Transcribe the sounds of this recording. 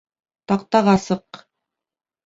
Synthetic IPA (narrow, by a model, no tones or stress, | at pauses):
t̪ɑq̚t̪ɑʁɑsɤq